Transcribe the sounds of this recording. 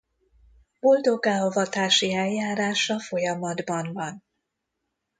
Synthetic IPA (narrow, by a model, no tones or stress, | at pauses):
b̥o̞ld̪o̞ɡaːovɒt̪aːʃiɛljaːɾaːʃɒfo̞jɒmɒd̪bɒnvɒn